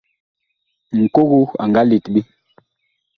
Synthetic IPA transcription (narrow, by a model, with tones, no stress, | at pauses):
ŋ̩˨ko˦ɡu˦a̰˨ŋɡa˦li˨tbi˦